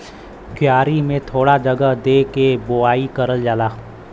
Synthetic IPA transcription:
kjaːɾimẽt̪ʰoːɽad͡ʒəɡəɦd̪eːkeboaːikəɾəld͡ʒaːlaː

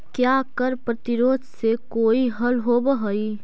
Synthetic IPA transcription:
kjaːkəɾpɾət̪ɪɾoːd̪ʱsekoːiɦɐlɦobəɦəi

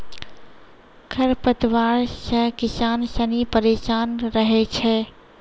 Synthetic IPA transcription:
kʰəɾpət̪ʋaːɾʃəkɪsaːnsənipəɾeːʃaːnɾəɦet͡ʃʰɛː

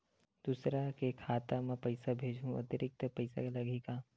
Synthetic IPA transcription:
d̪uːsɾakekʰaːt̪amɛ̃pɐɪsabʱeːd͡ʒʱɦũɐ̰t̪əɾɪk̚t̪əpɐɪsa̰kalɐɡika

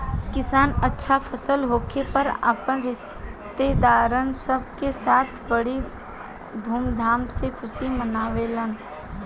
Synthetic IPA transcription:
kɪsaːnətːʃʰapʰəsəlɦoːkʰepəɾa̰ːpənɾɪʃ | t̪ed̪aːɾənsəb̚kesaːt̪ʰbəɽi | d̪ʱuːmd̪ʱaːmsekʰʊsimənaːʋelən

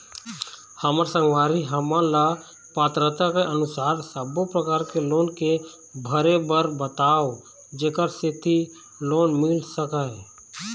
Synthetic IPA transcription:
həməɾsə̃ŋɡʋaːɾiɦəmãla | paːt̪ɾət̪akeʔənʊsaːɾsəbopɾəkaːɾkeloːnke | bʱəɾebəɾbət̪aːo | d͡ʒeːkəɾset̪ʰi | loːnmɪlsəkaɛ

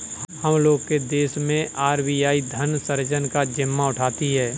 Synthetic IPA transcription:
həmloːɡked̪eːsmẽaːɾbijaːid̪ʱənsəɾd͡ʒənkad͡ʒɪmːaʊʈʰaːt̪iɦɛː

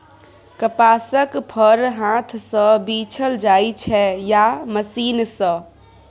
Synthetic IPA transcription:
kəpaːsəkpʰəɾɦãːt̪ʰsə̃biːt͡ʃʰəld͡ʒaːit͡ʃʰɛjaməsiːnsə̃

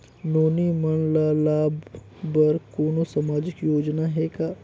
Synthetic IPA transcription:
noːnimənlaːlaːb | bəɾkoːnosamaːd͡ʒɪkjoːd͡ʒnaɦɛːkaː

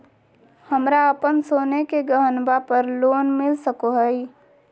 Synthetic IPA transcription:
həmɾaəpənsoːnekeɡəɦənbapəɾloːnmɪlsəkoɦəi

